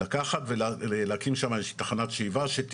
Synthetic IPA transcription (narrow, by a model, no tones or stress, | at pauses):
akaχatve̞leleakimʃamajeʃi̥t̪ḁχanatʃeivaʃet̪